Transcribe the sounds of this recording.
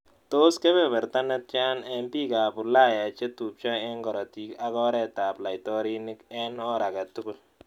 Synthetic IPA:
to˦skɛ˦bɛ˨bɛ˨ɾta˦nɛ˦t̚t͡ʃa˦nɛ˦mpi˦ka˨bʊ˨la˦ja˨t͡ʃe˦tu˨p̚t͡ʃa˦ɛ˦ŋɡɔ˨ɾɔ˨ti˨ka˦kɔ˦ɾɛ˦taː˨pla˨jtɔ˦ɾi˦nɪ˦kɛ˦nɔ˦ɾa˨ka˨tʊ˦kʊ˨l

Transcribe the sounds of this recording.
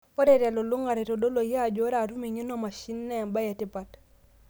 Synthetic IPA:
o˦ɾe˨ɾa˨lo˨lu˦ŋa˨ɾe˨to˨do˦lo˨ja˨d͡ʒo˦ɾa˨ɾu˦me˨ɲi˦nɔ˦ma˨ʃi˦nːɛ˦˨mba˦ja˨tɪ˦pa˨t

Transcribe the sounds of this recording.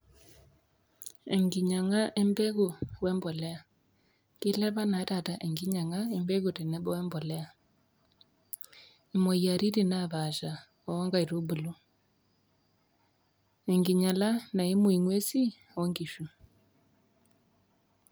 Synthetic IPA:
ɛ̰˨ŋɡi˨ɲa˨ŋa˦ʔɛ˦mbɛ˦ɣu˨wɛ˦mbɔ˨lɛ˦a˨ | ke˦lɛ˦βa˦na˨˦ta˨ta˨ʔɛ˨ŋɡi˦ɲa˨ŋa˦ɛ˦mbɛ˦ɣu˨te˨nɛ˦βɔ˦wɛ˦mbɔ˨lɛ˦a˨ | i˨mo˨ia˨ɾi˦ɾi˦na˨βa˨ʃa˨ | ɔ˨ɔ˦ŋɡa˦i˨ɾo˦bu˨lo˦ | ɛ˨ŋɡi˨ɲa˨la˦na˨e˦mo˦i˨ŋwe˦si˦ | ɔ˦ŋɡi˨ʃu˨

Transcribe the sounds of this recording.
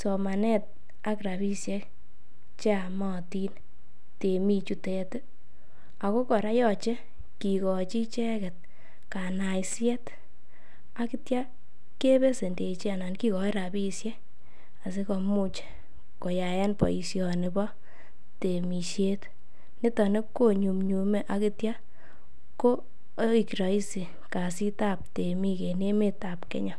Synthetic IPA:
sɔ˨ma˨nɛ˦t̚ | a˦kɾa˨bi˦sje˦k | t͡ʃa˨mɔ˦ti˦n | te˨mi˧t͡ʃu˦te˧t | a˨ko˦kɔ˨ɾa˦jɔ˦t͡ʃe˦ | ki˨kɔ˨t͡ʃi˦t͡ʃɛ˦kɛ˨t̚ | ka˨na˨jsjɛ˦t | a˦ki˦tja˦ | ke˦be˦se˨nde˨t͡ʃi˦a˨na˨nki˦kɔ˨i˦ɾa˨bi˦sjɛ˦ | a˨s̬e˦kɔ˧mu˦t͡ʃ | ko˨ja˨jɛ˦npɔ̰˨i˨sjɔ˨nɪ˨bɔ˦ | te˨mi˨ʃe˦t | nɪ˦tɔ˨ne˦kkːo˦ɲu˨mɲu˨me˦ʔa˦ki˦tja˦ | ko˦ | i˨ki˨ɾa˨i˦si˨ | ka˨si˦ta˦p̚te˨mi˦ke˨ne˦me˦ta˨pkḛ˦ɲɔ˨

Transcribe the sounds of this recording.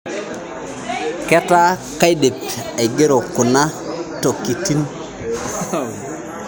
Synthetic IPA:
ke˦ta˦ka˦jde˨pe˨ɡe˦ɾo˨ku˨na˦to˨kːi˨ti˦n

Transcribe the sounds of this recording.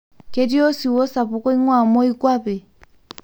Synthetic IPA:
kɛ˦di˦ɔ˦si˨wɔ˦sa˨pɔ˨kɔ˦i˦ŋwa˨mɔ˦i˦kwa˦pɛ˨

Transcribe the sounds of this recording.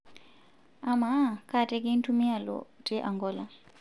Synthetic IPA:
ama˦kʰʼa˨tʼɛ˦kʼi˦n˦tʰu˦mi˦a˨lɔ̰tʼɛ˦ʔa˨ŋɡɔː˦la˨

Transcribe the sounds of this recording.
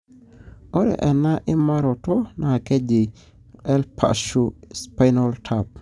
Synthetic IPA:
ɔ˦ɾɛ̰˨ʔɛ˨na˦ʔɪ˦ma˦ɾɔ˨tɔ˦na˨kɛ˦d͡ʒi˨ | ɛ˦lpʰa̰˨ʃu˦spa˦jnɔ˦ltʰap̚

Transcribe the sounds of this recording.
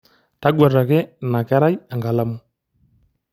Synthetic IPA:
ta˦ɡwa˨ɾa˨kɛ˦na˨kɛ˦ɾa˦ja˨ŋɡa˨la˦mʊ˦

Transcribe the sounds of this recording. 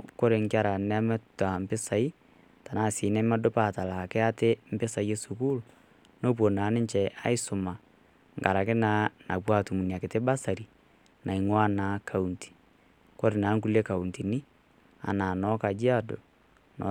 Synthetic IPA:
ko˦ɾe˨ŋkja˦˨ɾa˨nɛ˦mɛ˦ta˨m̩˨pɪ˦sa˨i˦ | ta˨naː˦˨si˨˦nɛ˦mɛ˦do˦pa˦˨ta˨la˨kɛ˦a˦te˦m̩˦pɪ˦sa˨je˦su˨kuː˦l | no˦p̬wo˨naː˨˦nɪ˦ɲt͡ʃɛ˨ʔa̰˦i˦sʊ˨ma˨ | ŋɡa˨ɾa˨kɪ˦na˨˦na̰˨pwa˦tu˨mu˨ni˨a˨kɪ˨te˦ba˦sa˨ɾi˨ | na˨i˨ŋwa˦naː˨˦kʰa˨u˨nti̥˨ | ko˦ɾe˨na˨˦ŋku˦le˦ka˨u˨nti˨nɪ˦ | a̰˨naː˨nɔ˦ka˨d͡ʒi˦a˦do˨ | nɔ̰˨˦

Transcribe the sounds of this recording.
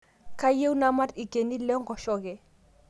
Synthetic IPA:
ka˦je˦u˦na˦ma˦ti˨ɡe˨ni˦lɛ˦ŋɡɔ˨ʃɔ˦˨kɛ˨

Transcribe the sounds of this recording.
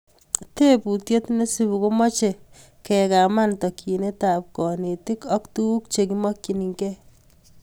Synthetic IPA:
te˦pu˨tje˦tne˦si˦bu˨ko˦mɔ˦t͡ʃe˨ | kɛ˨ka˨ma˦ntɔ˨kʰi˨ne˦ta˨p̚kɔ˨ne˨ti˦kɔ˦ktu˦u˦k̚t͡ʃe˨kimɔ˦kji˨ni˨ŋkɛ˦

